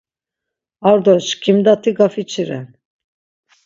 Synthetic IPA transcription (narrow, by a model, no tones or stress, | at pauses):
aɾd̪ɔʃkʰimd̪at̪ʰiɡafit͡ʃʰiɾɛ̰